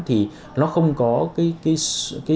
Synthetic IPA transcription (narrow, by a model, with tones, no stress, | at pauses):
t̪ʰi˨˩ | nɔ˨˦xə˧wŋ͡mkɔ˨˦kaː˨˦jkaː˨˦jskaː˨˦